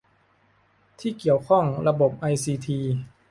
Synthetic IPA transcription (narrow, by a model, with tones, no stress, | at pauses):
t̪ʰiː˥˩ki˨˩əwkʰɔ˥˩ŋɾa˧bo˨˩p̚ʔa˧jsiː˧t̪ʰiː˧